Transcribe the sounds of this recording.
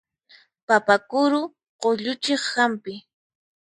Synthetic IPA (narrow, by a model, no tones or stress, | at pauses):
papakʊɾʊ | qoʎʊt͡ʃeχxampɪ